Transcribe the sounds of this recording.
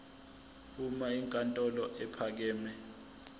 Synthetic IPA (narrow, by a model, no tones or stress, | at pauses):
umaiŋkʼantʼɔlɔʔɛpʰak̬ɛːmɛ